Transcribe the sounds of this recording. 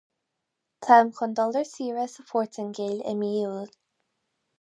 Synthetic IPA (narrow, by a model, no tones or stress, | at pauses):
tʰamkʰɔnd̪ɔləɹsiːɹəsəpʰɔɹtʰɪŋɡelɪ̰miːl